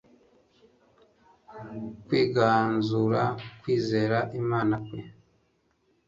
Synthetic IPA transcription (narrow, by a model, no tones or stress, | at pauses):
kwiːɡaːnzuɾakwiːze̞ːɾaʔimaːnakwe